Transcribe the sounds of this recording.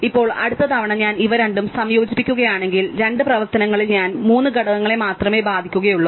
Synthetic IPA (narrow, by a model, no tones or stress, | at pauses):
ipːo̞ːɭɐ̰ɽut̪ːɐt̪ʰɐʋɐɳɐɲaːniʋɐɾeɳɖumsɐmjo̞ːd͡ʑipːikʲːuɣɐjaːɳe̞ŋɡilɾe̞ɳɖɨprɐʋɐrt̪ɐnɐŋːɐɭilɲaːnmuːnːɨɡɐɽɐɣɐŋːɐɭe̞maːt̪rɐme̞ːbaːd̪ʱikʲːuɣɐjuɭːɐ